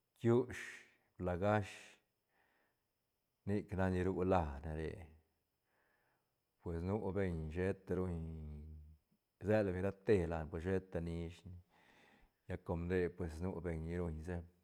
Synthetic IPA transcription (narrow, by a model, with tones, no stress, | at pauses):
kju˦ʃ | bla˧˨ɡa˦ʃ | ni˦kna˧ni˧ɾu˦la˧˨ne˨ɾḛ˨ | pwe˨snu˦be˧ɲʃe˦t̪a˧ɾu˧ɲ | ze˦lbe˨ɾa˦t̪e˧˨la˨npo˨ʃe˦t̪a˧ni˧ʃn˦ | ja˦˧ko˧md̪e˧pwe˨s̬nu˦be˨ɲi˧ɾu˧ɲse˦